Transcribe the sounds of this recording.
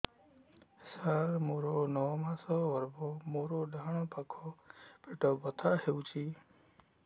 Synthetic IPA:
saɾmoːɾonɔɔmãsɔʋəɾbomoːɾoɖʱaɳ̃õpakʰopeʈoːbət̪ʰaɦeũt͡ʃʰiː

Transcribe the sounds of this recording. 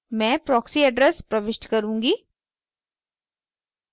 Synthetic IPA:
mɛ̃ːpɾɔːksiəɖɾəspɾəʋɪʃʈkəɾũːŋɡiː

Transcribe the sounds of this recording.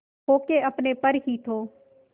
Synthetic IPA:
ɦoːkeəpneːpəɾɦiːt̪ʰoː

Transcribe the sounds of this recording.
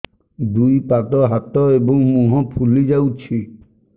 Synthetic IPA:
d̪ujpat̪ɔɦat̪ɔebɔŋmũɦɔ̃pʰulid͡ʒawt͡ʃʰi

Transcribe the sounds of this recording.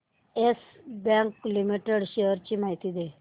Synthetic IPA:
es | bãŋklimiʈeɽɕejəɾt͡ɕiːmaɦit̪iːd̪e

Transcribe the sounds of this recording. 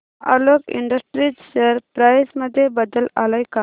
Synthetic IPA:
ɐ̰loɡḭɳɖəsʈɾid͡ʒsəɾpɾajsməd̪ʱjebəd̪əlalajka

